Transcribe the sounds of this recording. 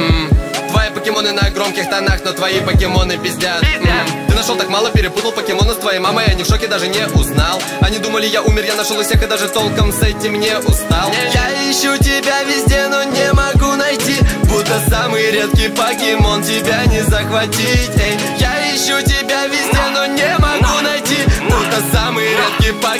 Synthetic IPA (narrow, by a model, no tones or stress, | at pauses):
t̪vɐipəkʲɪmo̞nɨnəɡɾo̞mkʲɪxt̪ɐnaxnot̪vɐipəkʲɪmo̞nɨpʲɪzʲdʲat̪ɨnɐʂot̪akmalˠəpʲɪɾʲɪput̪əlˠpəkʲɪmo̞nəst̪vɐjimaməɪɐnʲɪkʂokʲɪd̪aʐɨnʲɪʔʊznalˠ | ɐnʲid̪uməlʲɪjaʔumʲɪrjanɐʂolˠfsʲexɨd̪aʐɨt̪o̞lˠkəmsɛtʲɪmnʲeʔʊst̪alˠjaiɕːʊt̬ʲɪbʲavʲɪzʲdʲeno̞nʲemɐɡunɐjtʲibut̪ːəsamɨjɾʲet̪kʲɪjpɐkʲɪmo̞ntʲɪbʲanʲɪzəxvɐtʲitʲ | ja | iɕːʊtʲɪbʲavʲɪzʲdʲeno̞nʲɪmɐɡunɐjtʲibut̪ːəsamɨjɾʲe̞t̪̚kʲɪjpɐ